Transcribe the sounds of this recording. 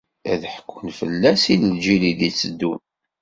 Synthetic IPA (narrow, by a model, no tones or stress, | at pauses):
æðħəkːənfə̰lːæsiləld͡ʒiliðit͡sːəd̪ːun